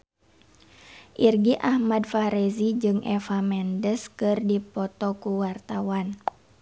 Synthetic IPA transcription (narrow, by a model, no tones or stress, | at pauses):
ʔirɡiʔahmadfaɾɛzid͡ʒɨŋʔɛfamɛndəskɨrdipɔt̪ɔkuwart̪awan